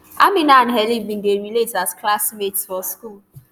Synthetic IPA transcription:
amɪnanɦɛlibin̩deɾiletasklasmetsfɔskul

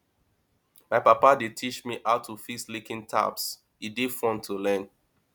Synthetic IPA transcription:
maɪpapaditʰit͡ʃmiʔaʊtʰufislikĩntʰa̰ps | idifɔ̃ntʰːulɛ̃n

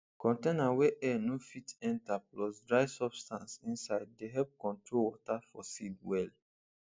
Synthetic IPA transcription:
kɔ̃ntenaweʔɛnofitɛ̃ntaplɔsdɹaɪsɔbstãnsĩnsaɪd̚ːeɦɛlp̚kɔ̃ntɹolwɔtafɔsidwɛl

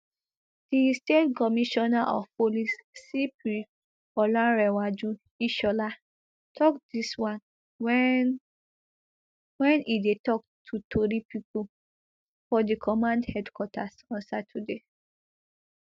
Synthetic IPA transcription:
d̥istetkɔmiʃɔnaʔɔfpolisːipɾi | ɔlãɹɛwad͡ʒũ | iʃɔla | tʰɔkd̥iswãn | wɛ̃nidetɔk̚tʰutʰoɾipipu | fɔdikʰɔmãndhɛdkwɔtʰasɔ̃nsatʰude

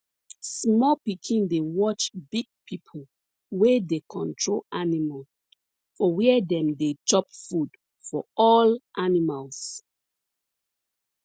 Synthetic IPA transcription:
smɔpikʰĩndewɔt͡ʃbiɡ̚pʰipʰo | wedekʰɔ̃ntʰɹolanimal | fɔwɛɛdɛ̃mdet͡ʃɔpfud̥ | fɔ̰ɔlʔanimals

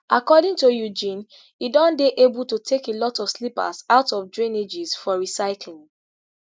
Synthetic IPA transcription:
ʔakɔdĩŋtujud͡ʒĩn | idɔ̃ndeʔebultutʰekelɔtɔv̥slipa̰zaʊtɔvdɹĩned͡ʒizfɔɹisaɪklĩŋ

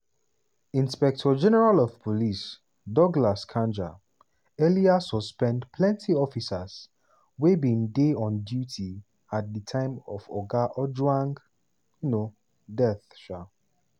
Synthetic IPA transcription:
ĩnspɛk̚tʰɔd͡ʒɛnɛɹalɔv̥pʰɔlis | dɔɡlaskʰãnd͡ʒa̰ | ɛliasɔspɛ̃ndpʰlɛ̃ntʰiɔfisas | webĩndeɔ̃ndjuti | at̚ðətʰãɪ̃mɔvɔɡaʔɔd͡ʒwãŋɡ | juno | dɛθʃa

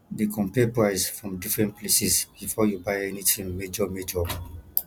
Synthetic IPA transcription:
dekʰɔ̃mpɛpɹaɪsfɹɔ̃mdifɹɛ̃nt̚plesɛsb̥ifɔjubajɛnitĩŋmed͡ʒɔmed͡ʒɔ

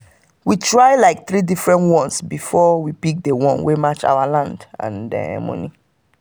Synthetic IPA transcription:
witɹajlaɪk̚θɹidifɹɛ̃ntwɔ̃nsbifɔwipik̚dewɔ̃nwemat͡ʃa̰walãndã̰ndɛ̰mɔ̰̃nḭ

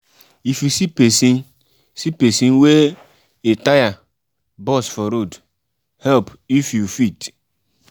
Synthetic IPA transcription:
ifisipesĩn | sipesĩnwe | etaja | bɔsfɔɾod | hɛlp | ifjufit

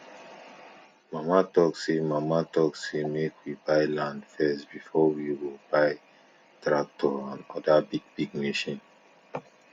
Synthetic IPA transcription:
mamatɔksemamatɔksemekwibaɪlãndfɛstb̥ifɔwiwebaɪ | tɹak̚tʰɔãnɔdabiɡ̚biɡ̚meʃĩn

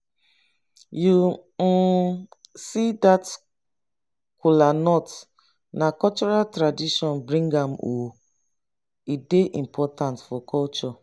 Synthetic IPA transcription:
ju | sidat | kulanɔt | nakɔlt͡ʃɔɾaltɾadiʃɔ̃nbɾĩŋɡãmo | ideʔimpʰɔtãntfɔkɔlt͡ʃɔ

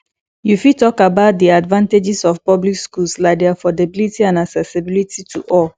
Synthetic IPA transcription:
jufitɔkabaʊt̚diadvãnted͡ʒisɔfpɔblikskulslaɪk̚dɛafɔdabilitiãnaksɛsibilitʰitʰuʔɔl

